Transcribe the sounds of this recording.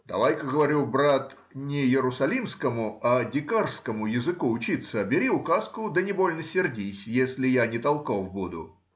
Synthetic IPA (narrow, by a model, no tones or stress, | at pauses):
d̪ɐ̰vajkəɡəvɐɾʲubɾat̪ | nʲɪjɪɾʊsɐlʲimskəmʊadʲɪkarskəmʊjɪzɨkuʊt͡ɕit̪səbʲɪɾʲiʊkaskʊd̪ənʲɪbo̞lʲnəsʲɪrdʲisʲjesʲlʲɪjanʲɪt̪ɐlˠko̞fbud̪ʊ̰